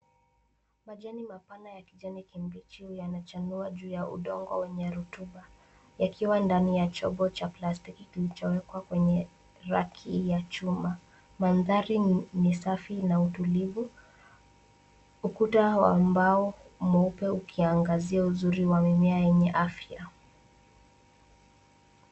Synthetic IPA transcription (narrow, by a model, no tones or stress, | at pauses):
maʄanimapanajakiʄanikimbɾit͡ʃiujanat͡ʃanuaʄuːjaṵɗɔŋɡɔ̰wɛɲɛɾutuɓa | jakiwandanijat͡ʃɔ̰ɓɔt͡ʃaplastikikilit͡ʃɔwɛkwakwɛɲɛ | ɾakʰijat͡ʃuma | manðaɾinisafinautulivu | ukutawa̰mbaɔumɛupɛukʰiaŋɡaziauzuɾiwamimɛajɛɲɛʔafja